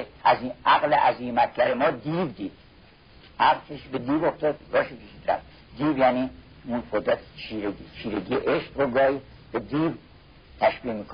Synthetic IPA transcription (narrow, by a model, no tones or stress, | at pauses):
æziʔæɣleʔæziːmæt̪̚ʰɟæɾemɒːd̪iːbd̪iːd̪̥ | hæɾkʰeʃibed̪iːboft̪ɒːd̪ɡɒːʃikʰeʃiːd̪ɾæ̰fd̪ | d̪iːbjæːni | unfod̪æt̪ʰt͡ʃʰiɾeit͡ʃʰiːɾeɡieʔeʃqɾoɡɒːji | b̥ed̪iːb | t̪ʰæʃbiːmiːkʰo